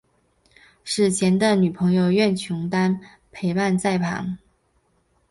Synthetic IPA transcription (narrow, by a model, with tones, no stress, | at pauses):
ʂɻ̩˥˩t͡ɕʰjɛ˧˥nd̪ə˧ny˨˩pʰɤ˧˥ŋjo˥˧ʊɥɛ˥˩nt͡ɕʰʊ˧˥ŋt̪a˥n | pʰe˧˥ɪpa˥˧nt͡sa˥˩ɪpʰɑ̰˧˥ŋ